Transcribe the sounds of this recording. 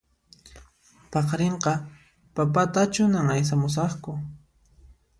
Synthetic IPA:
pɑχɾeɴqɑ | papat̪at͡ʃʊnaŋajs̬amʊs̬ɑχkʊ

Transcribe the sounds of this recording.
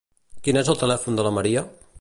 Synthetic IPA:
kinezəlˠt̪əlɛfund̪ələməɾiə

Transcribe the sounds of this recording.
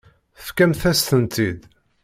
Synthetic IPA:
θəfkæmθæst̪ənt̪id̪

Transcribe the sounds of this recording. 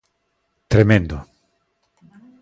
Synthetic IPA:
t̪ɾemẽnd̪o

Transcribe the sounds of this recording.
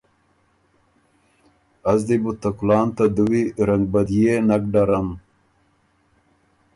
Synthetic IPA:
ɐzd̪ibut̪ɐkulɑːnt̪ad̪uwiɾɐŋɡ̚bɐd̪jenɐk̚ɖaɾɐn

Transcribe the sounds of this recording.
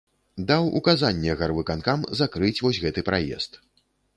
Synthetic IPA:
d̪awʔṵkazanʲːɛɣarvɨkankamzakɾɨt͡sʲvɔsʲɣɛt̪ɨpɾajɛ̰st̪

